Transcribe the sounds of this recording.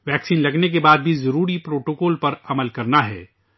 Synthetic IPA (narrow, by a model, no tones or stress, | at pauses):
ʋɛːksiːnlɐɡnek̬ebaːd̪̚bʱizɐɾuːɾipɾoːʈoːkɔːlpɐɾɐməlkɐɾnaɦɛ̰ː